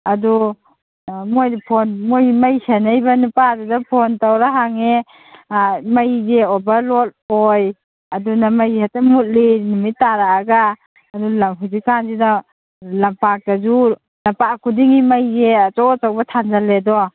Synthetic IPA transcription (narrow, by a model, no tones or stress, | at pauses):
adu | mojdpʰɔnmojmajsanajbanupadadapʰɔntawɾaɦaŋe | majzeɔbalɔt̚ɔj | adunamajatamut̚linumitaɾaːɡaː | dulamɦuzikanzina | lampak̚dazu | nampakʰudiŋimajzet͡ʃɔt͡ʃawbatʰanzaledɔ